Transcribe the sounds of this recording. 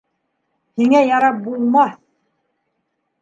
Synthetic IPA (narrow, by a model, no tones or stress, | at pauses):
hiŋæjɑɾɑp̚bulˠmɑθ